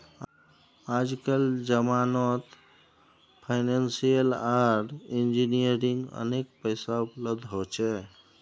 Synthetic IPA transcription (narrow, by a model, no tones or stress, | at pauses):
ad͡ʒkəld͡ʒəmanɔt̪ | pʰaɪnansijəlaɖind͡ʒinijəɾiŋɡə̰nekpəɪsaupləb̚d̪ʱɦot͡ʃʰɛ